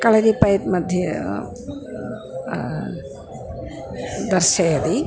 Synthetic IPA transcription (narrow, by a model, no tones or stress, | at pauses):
kɐɭɐɾipɐjt̪mɐd̪ʱjɐ | d̪ɐɾʃɐjɐd̪i